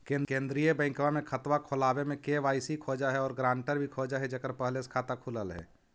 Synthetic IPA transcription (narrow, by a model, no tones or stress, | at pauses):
kẽːnkẽːnd̪ɾijəbə̃ɪ̃ŋkʋamẽkʰət̪wakʰoːlaːwemẽkeʋaːɪsikʰoːd͡ʒaɦɛɔːɾɡɾãːɳʈəɾbʱikʰoːd͡ʒaɦɛd͡ʒəkəɾpəɦleskʰaːt̪akʰuləlɦɛ̰ː